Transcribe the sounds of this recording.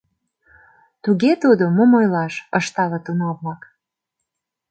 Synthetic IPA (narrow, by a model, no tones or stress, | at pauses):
t̪uɣet̪ud̪omomojlɑʃəʃt̪ɑlɤt̪unoβlɑk